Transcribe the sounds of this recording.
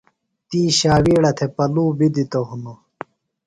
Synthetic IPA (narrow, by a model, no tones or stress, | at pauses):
t̪iːɕaːwiːɽɐt̪ʰepɐluːbid̪it̪oɦuno